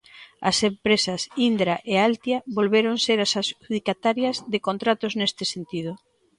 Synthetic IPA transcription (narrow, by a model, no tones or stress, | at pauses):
ɐ̰sempɾesɐsind̪ɾaʔealt̪jaβolβeɾoŋseɾasasuðikat̪aɾjɐzðɪkont̪ɾat̪oznest̪ɪsent̪ið̞ʊ